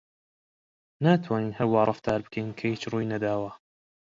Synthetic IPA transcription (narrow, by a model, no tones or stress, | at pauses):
naːt̪ʰwaːniːnhɐwːaːɾˤɑft̪ʰaːɾbɨ̥kʰejnkʰɐjit͡ʃruːjnɐd̪aːwa